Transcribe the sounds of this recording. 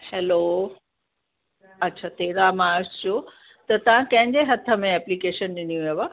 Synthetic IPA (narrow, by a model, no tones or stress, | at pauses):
hɛːlo | ɐtːɕʰaːt̪eːɾamaːɾst͡ɕʰo | t̪ɐt̪ɐʋ̤ãkɐ̃ɦɪ̃ɲd͡ʑeɦɐt̪ʰə̆mẽɛːplikeːʃənɗɪniũʋiʋa